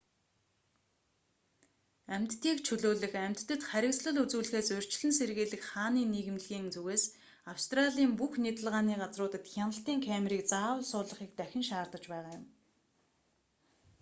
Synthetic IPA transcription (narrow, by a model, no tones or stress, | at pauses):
æm̥ʲt̪ːiːkt͡ɕʰɵɮoːɮɘ̆xæm̥ʲt̪ːɘ̆t̪χæɾʲɪ̆ksɮə̆ɮut͡suːɮɘ̆xeːsʊr̥t͡ɕ̆ɮɘ̆nserɣeːɮɘ̆kχaːniːniɣɘ̆mɮɣiːŋt͡suɣeːs | awst̪raɮiːmpuxnit̪ə̆ɮʁaːniːɢat͡srʊːt̪ə̆t̪xʲanə̆ɬt̪iːŋkʰæmriːkt͡saːwə̆ɮsʊːɮə̆χiːk̚t̪æxʲɪ̆nʃaːrt̪ə̆t͡ɕpæːʁaːjʊm